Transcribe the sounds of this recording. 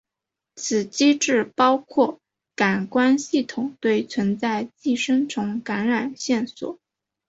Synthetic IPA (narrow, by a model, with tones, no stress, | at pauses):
t͡sʰɹ̩˨˩t͡ɕi˥ʈ͡ʂɻ̩˥˩pɑ˥ʊkʰwɔ˥˩ | ka˨˩nkwa˥nɕi˥˩t̪ʰʊ˨˩ŋt̪we˥˩ɪt͡sʰwə˧˥nt͡sa˥˧ɪt͡ɕi˥˩ʂə˥ŋʈ͡ʂʰʊ˧˥ŋka˧˥nɻa˨˩nɕjɛ˥˩nswɔ̰˨˩˦